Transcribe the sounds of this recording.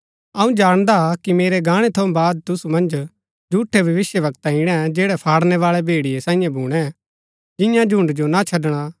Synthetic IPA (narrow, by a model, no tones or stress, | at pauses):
ɐũd͡ʒaːɽ̃d̪akimeːɾeɡãːɽ̃et̪ʰõbaːd̪̚t̪ʊsumɐ̃nd͡ʒ | d͡ʒʱuːʈʰebʱɐʋɪsjəʋɐkt̪aɦiɽ̃ɛd͡ʒeːɽɛpʰaːɽnɛʋaːɭebʱeːɽijesãːĩjãbʱuːɽ̃ɛ | d͡ʒɪ̃jãd͡ʒʱʊ̃ɳɖd͡ʒonat͡ʃʰɐɖɽ̃a